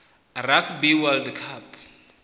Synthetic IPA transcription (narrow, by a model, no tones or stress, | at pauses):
rakʰbiwald̪kʰap